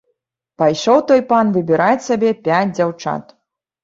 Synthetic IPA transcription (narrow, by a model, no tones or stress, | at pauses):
pajʂɔwt̪ɔjpanvɨbʲɪɾat͡sʲsʲabʲɛpʲad͡zʲd͡zʲawt͡ʂa̰t̪